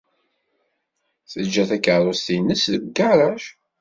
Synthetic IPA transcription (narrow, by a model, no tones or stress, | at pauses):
θəd͡ʒːæθækːəɾˤost̪inːəsðəɡɡəɾˤæʃ